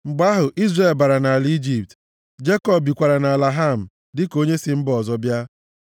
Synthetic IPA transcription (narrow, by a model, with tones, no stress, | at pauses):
ŋ͡m̩˨ɡ͡ba˦ɦʊ˨ʔi˦zre˨lba˨ɾa˨na˨a˨li˦d͡ʒi˦p̚t | d͡ʒe˦kɔ˦bi˨kʷa˨ɾa˨na˨la˨ɦa˦˨m̩˨ | dɪ˦ko˦ɲe˦sɪ˦m̩˦bɔ˨zɔ˦bja˦